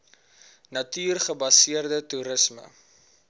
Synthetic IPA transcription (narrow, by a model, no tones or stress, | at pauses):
nɐtiːrχəbɐsiərdətuɾəsmə̰